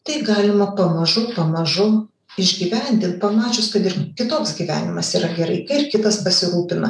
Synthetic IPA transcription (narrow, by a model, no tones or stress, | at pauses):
t̪ɐɪɡɑːlʲɪmɐpɐmɐʒʊpɐmɐʒʊ | ɪʒʲɡʲiːʋʲænʲd̪ʲɪnt̪̚pɐmɑːt͡ʃʲʊskɐt̪ɪɾkʲɪt̪oːksɡʲiːʋʲæ̰ːnʲɪmɐsiːɾɐɡʲɛɾɐɪkɐɪrkʲɪt̪ɐspɐsʲɪɾuːpʲɪnɐ